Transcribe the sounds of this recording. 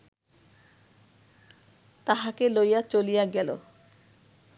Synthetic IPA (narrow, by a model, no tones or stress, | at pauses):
t̪aɦakelojat͡ɕolijaɡɛlo̰